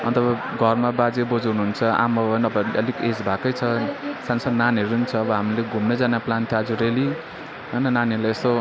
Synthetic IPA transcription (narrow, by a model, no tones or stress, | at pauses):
ʌ̰nt̪ʌbaɡʱʌrmabad͡zebod͡zɦunuɦunt͡sʰʌa̰mʌʌnʌbʌʌ̰liked͡zbʱakʌjt͡sʰʌsansʌd̪naneɾuunit͡sʰʌːbʌɦamrileɡʱumnʌd͡zanaplant̪ʰjoad͡zuɾeli | ɦʌjnʌnaneɾulaest̪o